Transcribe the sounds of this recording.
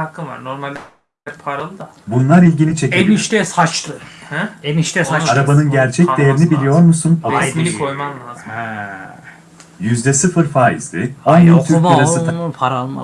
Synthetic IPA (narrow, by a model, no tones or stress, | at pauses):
akʰːɯnva̰ɾno̞ɾmalʲ | pʰaɾalˠɯd̪a | bunlˠaɾilʲɟinit͡ʃʰe̞cieiʃt̪ɛsat͡ʃlˠɯhemiʃt̪ɛsaaɾabanɯnɟæɾt͡ʃʰɛc̚d̪ejeɾinibilʲijo̞ɾmusunoɛt̪milʲikʰojmanlˠaːzɛ | jyzd̪ɛsɯfɯɾfaːḭzd̪ʲɪanjint̪ʰyɾk̪̚ʰiɾasɯpʰaɾa